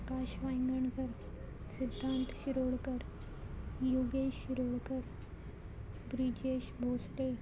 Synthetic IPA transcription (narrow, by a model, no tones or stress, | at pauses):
kaɕʋajŋɡəɳkəɾ | sid̪ʱːãnt̪ɕiɾoɭkəɾ | juɡeɕiɾoɭkəɾ | bɾid͡ʑeɕbʱosʈe